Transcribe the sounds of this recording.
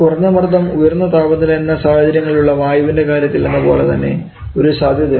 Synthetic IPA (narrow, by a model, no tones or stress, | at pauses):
kurɐɲːɐmɐrd̪ʱɐmujɐrnːɐt̪aːbɐt̪ːilenːɐsaːhɐd͡ʑɐɾjɐŋːɐɭiluɭːɐʋaːjɐʋinde̞kaːɾjɐt̪ːilnenːɐpo̞ːle̞t̪ɐnːe̞̰ | oɾusaːd̪ʱjɐd̪iɐ